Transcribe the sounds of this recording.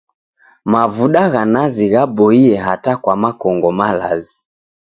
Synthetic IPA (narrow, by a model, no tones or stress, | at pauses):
mavuɗaɣanaziɣaɓɔiɛɦatakwamakɔŋɡɔmalazi